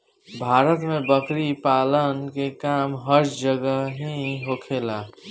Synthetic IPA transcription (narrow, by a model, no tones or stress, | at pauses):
bʱaːɾət̪mẽbəkɾipaːlənkekaːmɦəɾd͡ʒəɡəɦiɦokʰeːlaː